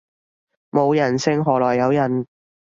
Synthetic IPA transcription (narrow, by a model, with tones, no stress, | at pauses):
mo˨˧wjɐ˨˩nsɪ˥ŋɦɔː˨˩lɔː˨˩jːɐ˨˧wjɐ˨˩n